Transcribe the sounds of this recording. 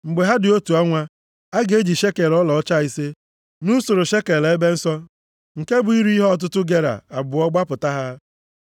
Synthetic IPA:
ŋ͡m̩˨ɡ͡be˨ɦa˦dɪ˨o˦tu˨a˦ŋʷa˦ | a˦ɡe˦d͡ʒi˨ʃe˦ke˨lɔ˦lɔ˨ɔ˦t͡ʃa˦i˦se˦ | nu˦so˨ɾʊ˨ʃe˦ke˨le˨e˦be˦n̩˦sɔ˦ | ŋ̩˨ke˦bʊ˨i˦ɾi˦ɦɔ˦ɔ˨t̬ʊ˦tʊ˦ɡe˨ɾa̰˨a˨bʊ˨ɔ˦ɡ͡ba˦pʊ˨ta˦ɦa˦

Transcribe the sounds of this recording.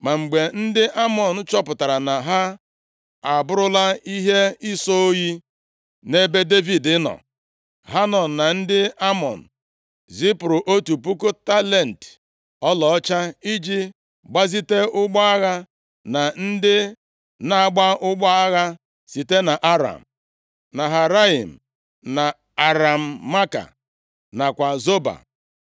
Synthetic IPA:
ma˨ŋ͡m̩˨ɡ͡be˨n̩˦dɪ˦ʔa˦mɔ˨n̩˦t͡ʃɔ˦pʊ˨ta˨ɾa˨na˨ɦa˦ | a˨bʊ˦ɾʊ˦la˦i˦ɦe˦i˦so˦o˦ji˦ | ne˦be˦de˦vi˨dɪ˦nɔ̰˨ | ɦa˦nɔ˨n̩˨na˨n̩˦dɪ˦a˦mɔ̰˨n̩˨ | zi˦pɾu˨ʔo˦tu˨pu˦kʊ˦ta˦le˨n̩˨t | ɔ˦lɔ˨ɔ˦t͡ʃa˦i˦d͡ʒi˦ | ɡ͡ba˦zi˦te˦ʊ˦ɡ͡ba˦a˦ɣa˦ | na˨n̩˦dɪ˦ | na˦a˦ɡ͡ba˦ʔʊ˦ɡ͡ba˦a˦ɣa˦ | si˨te˦na˨ʔa˦ɾa̰˨m̩˨ | na˨ɦa˨ɾa˦i˨m̩˨ | na˨ | a˨ɾa˨m̩˨ma˦ka̰˨ | na˨kʷa˨zo˦ba̰˨

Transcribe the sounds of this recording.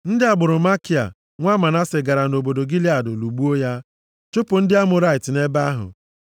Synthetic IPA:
n̩˦dɪ˦a˨bʊ˨ɾʊ˨ma˦ki˨a̰˨ | ŋʷa˦ma˨na˦se˨ɡa˨ɾa˨no˨bo˨do˨ɡi˦la˨dʊ˨lu˨ɡ͡bu˦o˦ja˦ | t͡ʃo˦pʊ˨n̩˦dɪ˦a˦mʊ˨ɾa˦ɪ˨tɪ˨ne˦ba˦ɦʊ̰˨

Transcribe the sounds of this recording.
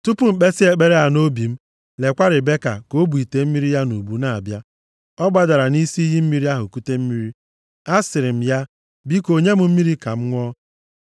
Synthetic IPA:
tu˦pu˦m̩˨k͡pe˦si˦e˨k͡pe˦ɾe˦a˨no˦bi˨m̩˦ | le˨kʷa˦ɾɪ˨be˦ka̰˨ko˦bu˨i˨te˨m̩˦mi˦ɾi˦ja˦nu˨bu˨na˨a˨bja˦ | ɔ˦ɡ͡ba˨da˨ɾa˨ni˦si˦i˦ɦi˦m̩˦mi˦ɾi˦a˦ɦʊ˨ku˦te˦m̩˦mi˦ɾi˦ | a˦sɪ˨ɾɪ˨m̩˦ja˦ | bi˦ko˨ɲe˦m̩˦m̩˦mi˦ɾi˦ka˨m̩˦ŋʷɔ˦

